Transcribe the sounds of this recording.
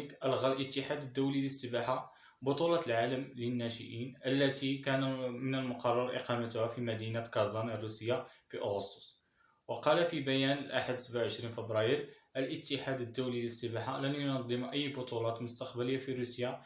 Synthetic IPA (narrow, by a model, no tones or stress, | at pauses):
kʔəlɣalʔət̪ːəħad̪əd̪ːuwliləsːəbaħa | bʊt̪ˤulɑt̪əlʕaləmlənːæʃə̰ʔinʔəlːæt̪ʰikænmənəlmʊqɑrˤːɑɾˤʔɪ̰qɑmət̪ʊhæfimæd̪inakɑzˤɑnrːusəjːafiʔʊɣʊst̪o̥s | wɑqɑlafibæjænəlʔaħad̪səbaʕawʕəʃɾinfəbɾˤɑjəɾʔəlʔət̪ːəħad̪əd̪ːuwliləsːəbaħalænjʊnɑd̪ˤːəmʔəjːbʊt̪ˤulɑt̪mʊst̪ɑqbæləjːafiɾusja